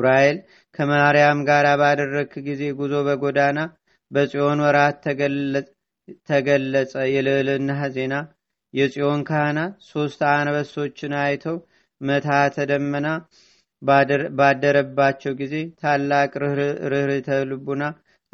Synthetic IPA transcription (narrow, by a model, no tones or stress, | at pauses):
ɾajel | kʰəməɾijamɡaɾabad̪ərːəɡɡize̞ɡuzo̞bəɡo̞d̪ana | bəsʼio̞nwɔɾat̪ːə | t̪ʰːəɡəlːəsʼəjɛlɨʔlɨnːaze̞na | jɛsʼio̞nkʰahnaso̞st̪anbəso̞t͡ʃːɪnajt̪ʰəw | mət̪ʰat̪ʰəd̪əmːəna | bad̪əɾəbːat͡ʃːɛwɡize̞t̪ʰalːakʼɾɨhɾɨt̪ʰəlɨbuna